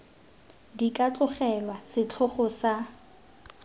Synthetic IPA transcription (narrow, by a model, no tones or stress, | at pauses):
dikʼat͡ɬʼʊχɛlwasɪt͡ɬʰʊχʊsa